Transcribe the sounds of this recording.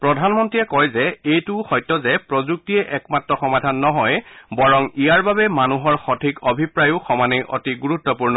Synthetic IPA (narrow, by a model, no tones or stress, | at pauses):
pɹɔdʱanmɔntɹijɛkɔjzɛejtʊxɔjtːɔzɛpɹɔzuk̚tiɛʔɛkmatɹɔxɔmadʱanːɔɦɔjbɔɹɔŋijaɹbabɛmanuɦɔɹxɔtʰikobʱipɹajʊxɔmaneʔɔ̰tiɡuɹutːɔpuɹnɔ